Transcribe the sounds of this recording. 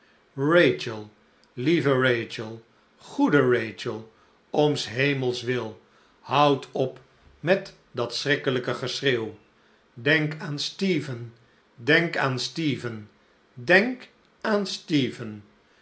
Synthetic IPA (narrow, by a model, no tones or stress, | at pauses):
rejt͡ʃəlˠ | livərejt͡ʃəlˠ | χudərejt͡ʃəlˠ | omsɦejməlˠsʋɪlˠ | hʌwtʰɔp | mɛt | dɑtsrɪkələkəχəsrew | dɛŋkaːnstiːvən | dɛŋkaːnstiːvən | dɛŋk | aːnstiːvən